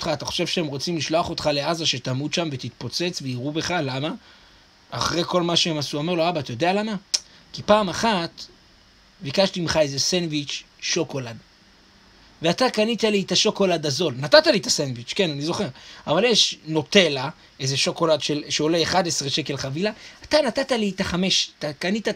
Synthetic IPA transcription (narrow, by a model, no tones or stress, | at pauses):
otχaːt̪aχo̞̥ʃe̞vʃeemʁo̞t͡simliʃlo̞aχo̞t̪χale̞azaʃe̞t̪amud̪ʃamve̞t̪it̪po̞t͡se̞t͡sveiʁube̞χalama | aχʁe̞ko̞lmaʃeemasuomeʁlo̞abatajo̞d̪e̞alama | kipaːmaχat̪ | bikaʃtimχae̞ze̞senvit͡ʃː | o̞ko̞lad | veat̪akanit̪alietaʃo̞ko̞ladazo̞lnatat̪alit̪asenvit͡ʃke̞nanizo̞χe̞ʁavaljeʃno̞t̪e̞la | e̞ze̞ʃo̞ko̞ladʃelʃeo̞le̞ːχadesʁeʃe̞ke̞lχavilaat̪anatatalitaχame̞ʃtakanit̪a